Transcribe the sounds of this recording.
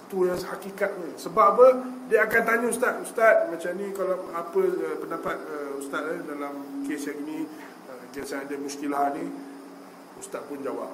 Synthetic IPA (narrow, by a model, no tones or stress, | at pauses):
t̪ujaŋhakikat̪̚ɲãsəbapə | diəakant̪aɲãust̪at̪̚ust̪at̪̚mãt͡ʃamnĩkalaapəəpəndapat̪̚əust̪at̪̚ladalamkesjaŋinĩ | əkaŋsajadəmusk̪ilaɦnĩ | ust̪at̪̚pʊnd͡ʒawa̰p̚